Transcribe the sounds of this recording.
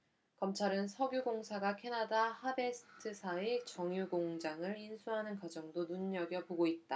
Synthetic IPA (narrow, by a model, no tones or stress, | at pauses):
kʌmt͡ɕʰaɾɯnsʰʌɡjuɡoŋsʰaɡakʰe̞nadahabesʰɯ̥tʰɯsʰaet͡ɕʌŋjuɡoŋd͡ʑaŋɯɭinsʰuɦanɯnkwad͡ʑʌŋdonuɲːʌɡjʌpoɡoit̚t͈a